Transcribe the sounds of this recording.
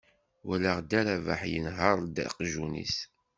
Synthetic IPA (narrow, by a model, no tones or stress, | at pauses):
wæləʁd̪æɾævaħjə̰nɦəɾˤd̪ə̰qʒunḭs